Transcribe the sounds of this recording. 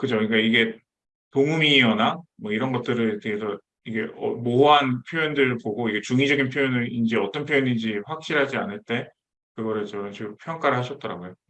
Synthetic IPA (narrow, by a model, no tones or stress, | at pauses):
kɯd͡ʑoɯɲik͈aiɡe̞ | toŋɯmiːʌnamwʌiɾʌnɡʌt̚t͈ɯɾɯɭteɡesʰʌ | iɡe̞ʔʌmoɦanpʰjojʌndɯɾpoɡoiɡe̞t͡ɕuŋid͡ʑʌɡinpʰjojʌnɯɾind͡ʑeʌt͈ʌnpʰjojʌnind͡ʑiɸwak̚ɕ͈iɭɦad͡ʑianɯɭt͈e̞ | kɯɡʌɾɯɭt͡ɕʌʌnt͡ɕiɡɯmpʰjʌŋk͈aɾɯɭhaɕʰʌt̚t͈ʌɾa̰ɡojo